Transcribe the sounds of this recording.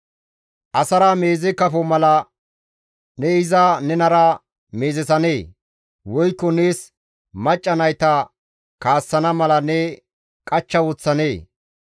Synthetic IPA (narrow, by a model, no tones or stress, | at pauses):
ʔɐsɐɾɐme̞ːzɛkɐfɔmɐlɐ | nɛɪzɐnɛnɐɾɐ | me̞ːzɛsɐne̞ː | wɔjkːɔneːs | mɐt͡ʃʼːɐnɐjt̪ɐ | kaːsːɐnɐmɐlɐnɛ | kʼɐt͡ʃːɐwɔt͡sːɐne̞ː